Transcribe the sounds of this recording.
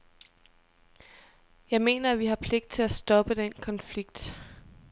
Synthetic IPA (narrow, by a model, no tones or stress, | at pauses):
jɑ̈ɪme̝̰ːnɐæʋiɦɑ̈pʰle̝ɡ̥d̥̚t͡sʰe̝læsd̥ɒ̽b̥əd̥enkʰɒ̽nfliɡ̥̚d̥